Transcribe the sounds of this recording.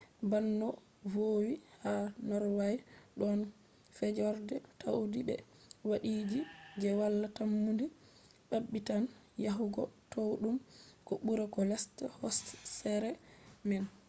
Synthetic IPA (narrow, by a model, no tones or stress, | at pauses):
banːɔ | vowihanɔɾwajɗɔn | fɛd͡ʒɔɾdɛtawudibɛ̰ | waɗiːd͡ʒid͡ʒɛwalːatamːundi | ɓabːitan | jaɦuɡɔ̰towɗumkɔɓuɾɛkɔlɛstɛhɔssɛɾɛmɛn